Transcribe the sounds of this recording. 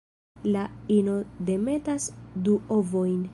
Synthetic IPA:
laino̞de̞me̞tasduovo̞jn

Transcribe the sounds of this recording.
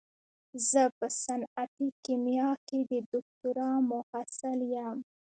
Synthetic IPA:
zəpəsanat̪ikimjɑked̪əd̪ʊk̚t̪ʊɾɑmʊhasaljam

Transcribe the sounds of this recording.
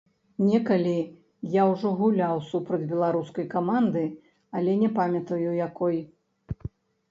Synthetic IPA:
nʲɛkɐlʲi | jawʐɔɣulʲawsupɾɐd͡zʲbʲɛlˠaɾuskɐjkamand̪ɨ | ɐlʲɛnʲɛpamʲɐt̪ɐjuwjakɔj

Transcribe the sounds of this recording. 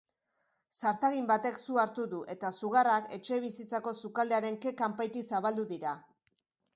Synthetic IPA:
saɾt̪aɣimbat̪e̞ksuaɾt̪uðuʔe̞t̪asuɣ̞arake̞t͡ʃe̞β̞isit͡sako̞sukald̪e̞aɾe̞ŋke̞kampajt̪isaβald̪uðiɾa

